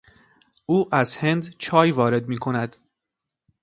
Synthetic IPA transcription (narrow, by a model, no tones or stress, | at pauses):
ʔuːʔæzhe̞nd̪t͡ʃʰɒːjvɒːɾe̞d̪miːkʰo̞næd̪